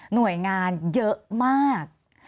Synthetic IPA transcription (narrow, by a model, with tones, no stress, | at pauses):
nu˨˩˦əjŋaː˧njɤ˦˥maː˥˩k̚